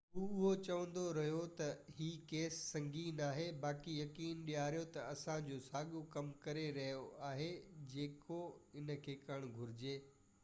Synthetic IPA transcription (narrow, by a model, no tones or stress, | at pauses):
ɦuːʊɦot͡ɕɐʋə̃nd̪oɾɐɦijot̪ɐɦiːkeːsːɐ̃ŋɡʱiːnaːɦebaːkijɐkiːnɗijaːɾijot̪ɐɐsãd͡ʑoːsaːɠokɐmkɐɾeɾɐɦijoaːɦed͡ʑeːkoɪn̆kʰeːkɐɽ̃ɡʱʊɾɪd͡ʑeː